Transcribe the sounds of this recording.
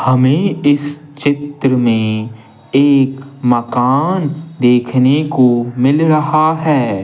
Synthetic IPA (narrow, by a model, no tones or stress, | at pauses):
hɐmẽɪs | t͡ʃɪt̪ɾəmẽ | eːkmɐkaːnd̪eːkʰnekomɪlɾɐɦaɦɛː